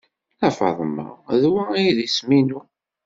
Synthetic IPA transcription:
læfɑ̰ðˤmɑ̰ðwæijðisminu

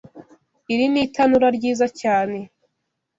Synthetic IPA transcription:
iɾimitanuɾaɾɟiːzacaːne̞

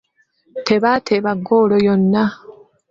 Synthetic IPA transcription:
te̞βatʰeβaɡoːlojonːa

